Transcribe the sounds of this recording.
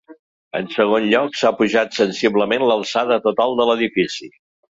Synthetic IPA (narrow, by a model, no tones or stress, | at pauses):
ə̰nsəɣ̞onʎɔksapuʒat̪sənsiβləmenləlˠsaðət̪ut̪alˠd̪ələðifisi